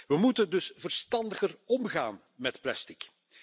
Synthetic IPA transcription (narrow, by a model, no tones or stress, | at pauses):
ʋəmutəndɵsv̥ərstɑndəɣərɔmɣaːn | mɛtplɛstɪk